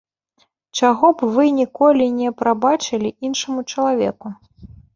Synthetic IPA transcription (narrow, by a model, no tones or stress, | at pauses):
t͡ʂaɣɔbvɨnʲikɔlʲinʲɛpɾabat͡ʂɨlʲiʔinʂɐmut͡ʂɐlˠavʲɛ̰ku